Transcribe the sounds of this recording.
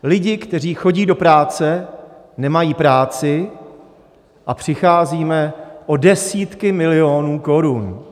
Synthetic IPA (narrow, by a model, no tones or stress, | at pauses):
lɪɟɪkt̪ɛr̝iːxo̞ɟiːdo̞pɾaːt͡sɛ | nɛmajiːpɾaːt͡sɪ | ʔapr̝̥ɪxaːziːmɛʔodɛsiːt̪kɪmɪlɪo̞nuːko̞ɾun